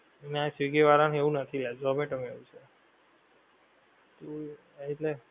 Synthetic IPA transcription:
eneasʋiɡeʋaɾanɦeʋũnət̪ʰilad͡ʒɔmeʈəmeʋũt͡ʃʰe | t̪o | it̪le

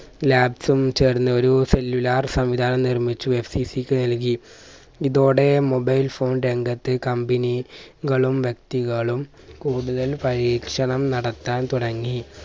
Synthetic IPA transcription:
laːbsumt͡ɕeːrnːɐo̞ɾuse̞lːulaːrsɐmʋid̪ʱaːnɐmnirmit͡ɕːuʋebsiːsikʲːɨnɐlk̬i | iðoːɽe̞mo̞bɐjlfo̞ːnɾe̞ŋɡɐt̪ːɨkɐmbiniɣɐɭumʋjɐk̚t̪iɣɐɭum | kuːɽuðɐlpɐɻiːkʂɐɳɐmnɐɽɐt̪ːaːnt̪uɽɐŋːi

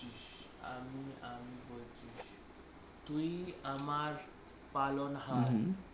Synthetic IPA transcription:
iɕa̰miamibolt͡ɕiɕ | t̪uiamaɾ | palɔnɦa

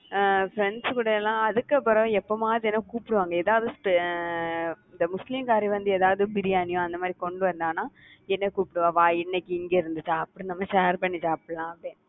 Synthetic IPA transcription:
fɾɛɳɖskuːɽɐɛlːãːɐðɯkːɐpːɔɾɐ̃ɛpːoːmaːɾɛnːɐkuːpɪɽɯʋaːŋɡɐeːðaːʋðɯsp | ɪnd̪ɐmʊslimkaːɾiʋɐnd̪ɯeːðaːʋɐðɯbɪɾɪjaːnɪjõɐnd̪ɐmaːd̪ɾikɔɳɖɯʋɐɾnd̪aːnaː | ɛnːɐkuːpːɪɽɯʋãːʋãːɪnːɛkːiɪŋɡeːɪɾɯnd̪ɯt͡ʃːaɐpːɯɽõnɐmːɐʃeːɾpɐɳːɪt͡ʃːaːɐpːɐɽlãːɐpɽẽː

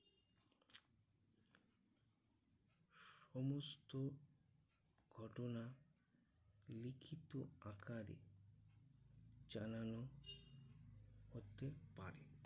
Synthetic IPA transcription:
ʃɔmost̪o | ɡʱɔʈona | likʰit̪oakʰaɾḛ | d͡ʒanano | hot̪epa̰ɾe

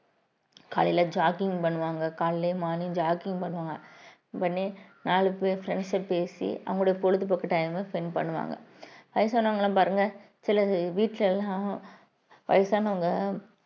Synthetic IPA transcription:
ka̰ːlɪlɐd͡ʒaːkɪŋɡpɐɳːɯʋaːŋɡɐkaːllemaːnid͡ʒaːkɪ̃ŋɡpɐɳːɯʋaːŋɡɐ | pɐnːenaːɭɯpefɾɛɳɖsɐpeːsḭɐ̰ʋɐŋɡɐɭːʊɽɐjɐpɔɻɯt̪ːɯpɐkːɯʈːɐɪmefɛnpɐ̰ɳːɯʋa̰ːŋɡɐ̰ʋɐɪjɐsaːnːɐŋɡɐlːãːpaːɾɯŋɡɐ | sɪlɐʋiːʈːlɛlːãː | ʋɐ̰jɐsaːnɐŋɡɐ

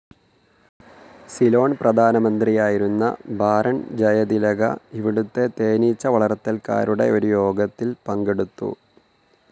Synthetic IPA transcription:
silo̞ːɳprɐd̪ʱaːnɐmɐnd̪rijaːjiɾunːɐ̰bʱaːɾɐɳd͡ʑɐjɐd̪ilɐɡɐ̰iʋiɽut̪ːe̞t̪e̞ːnit͡ɕːɐʋɐɭɐrt̪ːɐlka̰ːɾuɽe̞̰o̞ɾujo̞ːɡɐt̪ːilpɐŋɡeɽut̪ːṵ

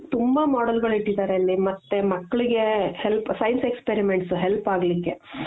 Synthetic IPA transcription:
t̪umbɐmaːɖɐlɡɐɭiʈːid̪aːɾeɐlːimɐt̪ːe̞mɐkːɐɭiɡe̞helpsɐjnsekspeɾimeɳʈsuɦelpaːɡlikːe̞

